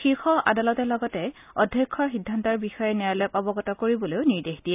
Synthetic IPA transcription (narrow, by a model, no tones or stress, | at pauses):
xiɹxɔa̰dalɔtɛlɔɡɔtɛɔdʱjɔkʰːɔɹxidʱːantɔɹbixɔjɛnɛɹalɔjkɔbɔɡɔtɔkoɹibɔloʊniɹdexd̥ijɛ